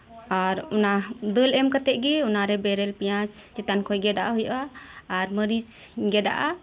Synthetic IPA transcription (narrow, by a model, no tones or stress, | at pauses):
aɾunad̪əlɛmkat̪ɛʔɡɛunaɾɛbɛɾɛlpijãsd͡ʒɛt̪ankʰɔjɡɛdaʔaɦujʔaːɾməɾisɡɛda̰ʔa